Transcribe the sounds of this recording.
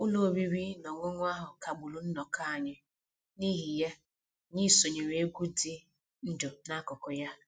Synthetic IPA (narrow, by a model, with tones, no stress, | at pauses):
ʊ˦lo˨o˨bi˦ɾi˦nɔ˨ŋʊ˦ŋʷ˦a˦ɦʊ˨ka˨ɡ͡bʊ˨lʊ˨n̩˦nɔ˨ka˦a˨ɲɪ˦ | ni˦ɦi˨ja˦ | ɲi˦so˨ɲe˨ɾe˨e˦ɡʷu˦di˦ | n̩˦dʊ˨na˦kɔ˨kɔ˨ja˦